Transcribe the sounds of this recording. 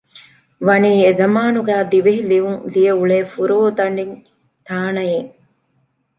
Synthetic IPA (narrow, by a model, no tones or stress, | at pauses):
ʋɐniːezɐmaːnuɡæːd̪iʋeɦiliʋuŋlijɐuɭeːfuɾoːt̪ɐɳɖiŋ | t̪aːnɐjeŋ